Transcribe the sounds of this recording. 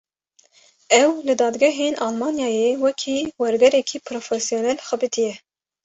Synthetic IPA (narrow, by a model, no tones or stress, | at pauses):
ɛwlɨd̪ɑːd̪ɡɛɦeːnʔɑːlmɑːnjɑːjeːwɛkʰiːwɛɾɡɛɾɛkʰiːpʰɾoːfɛsijoːnɛlxɛbɨt̪ʰijɛ